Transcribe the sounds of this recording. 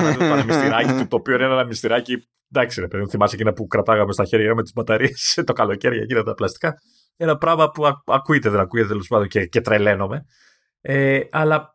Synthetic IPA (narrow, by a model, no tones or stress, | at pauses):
ɐpɐnemist̪iɾɐcit̪ut̪o̞ːpioineenenɐmist̪iɾɐci | d̪ɐksiɾepe̞ðimuθimɐsecinɐpukɾɐt̪ɐɣɐmest̪ɐçeɾʝɐɐmet̪izbɐt̪ɐɾieset̪o̞kɐlo̞ce̞ɾʝɐcinɐt̪t̪ɐplɐst̪i̥kɐ | enɐpɾɐɣmɐpuɐɐkuet̪eðenɐkuʝet̪et̪elespɐnd̪o̞ncecet̪ɾele̞no̞me̞ | eɐlɐ